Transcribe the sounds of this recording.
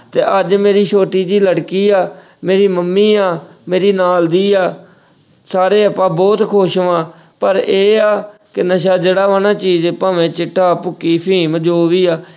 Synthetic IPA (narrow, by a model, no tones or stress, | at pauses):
t̪eːʔəd͡ʒmeːɾiːʃoːʈiːd̪iːləɽkiːaː | meːɾiːməmːiːaːmeːɾiːnaːld̪iːaː | saːɾeːəpːãːbɔːt̪kʰoːʃʋãː | pəɾeːaːkɪnəʃ̬aːd͡ʒeːɽaːʋənãːt͡ʃiːd͡ʒpãːʋẽːt͡ʃɪʈʰːaːpʊkːiːpʰĩːməd͡ʒoːʋiːaː